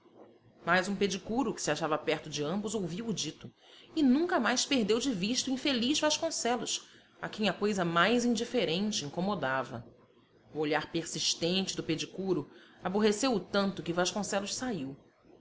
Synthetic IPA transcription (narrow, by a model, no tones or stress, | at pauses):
majzũped͡ʒikuɾʊkɪ̥sɪaʃavɐpɛχt̪ʊd͡ʒɪɐ̃mbʊzowviwʊd͡ʒit̪ʊ | ɪnũŋkɐmajʃpeɦd̪ewd͡ʒɪviʃt̪uĩfelizvaʃkõsɛlʊs | a̰kẽj̃ɐkojzɐmajzĩd͡ʒifeɾẽnt͡ʃɪĩŋkomod̪avɐ̰ | ʊoʎaɾpeɾsiʃt̪ẽnt͡ʃɪd̪ʊped͡ʒikuɾʊaboɦesewʊt̪ɐ̃nt̪ʊkɪvaʃkõsɛlʊʃsaiw